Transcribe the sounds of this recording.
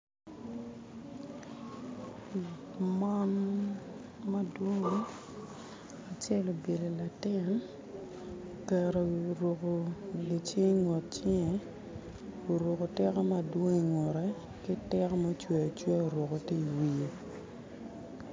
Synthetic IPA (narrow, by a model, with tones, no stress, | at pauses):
ma˦n | mɐ˦dwo˦ŋ˦ | a˨t͡ʃɛ˦lo˨be˨le˨la˨tɪ˦˨n | kɛ˨ɾo˨ɾo˨ko˨ɡi˨t͡ʃe˦ŋwo˨t̚t͡ʃe˦ŋe˨ | o˨ɾo˨ko˨tɛ˦kɔ˦ma˦dwo˦ŋi˨ŋwɔ˨ɾɛ˦ | kɪ˦tɛ˦kɔ˦ma˦t͡ʃwe˨a˨t͡ʃwe˦o˨ɾo˨ko˨ti˦i˨wi˨e˦